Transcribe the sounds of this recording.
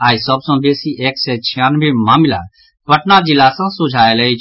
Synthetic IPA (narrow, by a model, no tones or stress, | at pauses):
aːisəbsɔ̃ːbeːsiːʔeːksɛːt͡ʃʰijaːnʋẽːmaːmɪla̰ː | pəʈnad͡ʒilaːsãːsʊd͡ʒʱaːelɛit͡ʃʰ